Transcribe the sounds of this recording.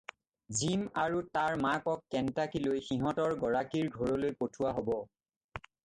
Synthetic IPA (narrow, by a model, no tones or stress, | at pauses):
zimaɹutaɹmakɔkːɛntakilojxiɦɔtɔɹɡɔɹakiɹɡʱɔɹɔlojpotʰuwaɦobɔ